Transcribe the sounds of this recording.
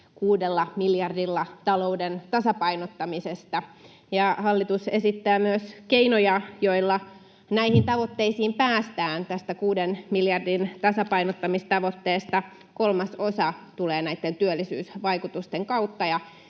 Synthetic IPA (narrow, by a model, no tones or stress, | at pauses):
kuːdelːɑmiljɑrdilːɑt̪ɑloudent̪ɑsɑpɑinot̪ːɑmisest̪ɑ | jɑhɑlːit̪usesit̪ːæːmyøskeinojɑjoilːɑ | næihint̪ɑʋot̪ːeisiːmpæːst̪æːnt̪æst̪ækuːdenmiljɑrdint̪ɑsɑpɑinot̪ːɑmist̪ɑʋot̪ːeːst̪ɑ | kolmɑsosɑt̪uleːnæit̪ːent̪yølːisyːsʋɑikut̪ust̪eŋkɑut̪ːɑjɑ